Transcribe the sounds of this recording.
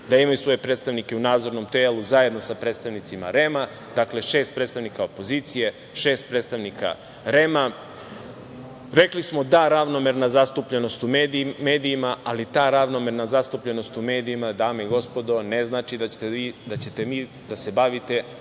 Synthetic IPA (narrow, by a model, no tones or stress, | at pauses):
d̪aimajusʋo̞je̞pɾet̪st̪aʋnike̞unaːd̪zo̞ɾno̞mt̪elˠuzaje̞d̪no̞sapɾeːt̪st̪aʋnit̪sima̰ɾe̞ma | d̪akle̞ʃe̞ːst̪̚pɾet̪st̪aʋnikaopo̞ziːt̪sije̞ | ʃe̞ːst̪̚pɾet̪st̪aʋnikʰa̰ | ɾe̞ma | ɾe̞klismo̞d̪aɾaʋno̞me̞ɾnazast̪upʎeno̞st̪umeme̞ːd̪ijːmaalit̪aːɾaʋnomeɾnazast̪upʎe̞no̞st̪ume̞ːd̪iimad̪aːmeiɡo̞spo̞d̪o̞ne̞znaːt͡ʃid̪aid̪at͡ɕe̞t̪e̞ʋiː | d̪ase̞baʋit̪e̞